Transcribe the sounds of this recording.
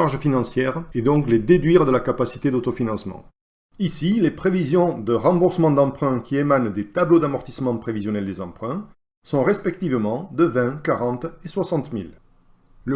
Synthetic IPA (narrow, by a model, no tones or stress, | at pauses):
aʁʒfinɑ̃sjɛʁed̪ɔ̃kled̪ed̪ɥiʁd̪əlakapasi̥t̪ed̪ot̪ɔfinɑ̃smɑ̰̃ | isilepχevizjɔ̃d̪əʁɑ̃buʁsəmɑ̃d̪ɑ̃pχɛ̃kʲʰiemand̪et̪ablod̪amɔʁt̪i̥smɑ̃pχevizjɔnɛld̪ezɑ̃pχɛ̃ | sɔ̃ʁɛspɛk̚t̪ivmɑ̃d̪əvɛ̃kaʁɑ̃t̪eswasɑ̃t̪mḭl | lə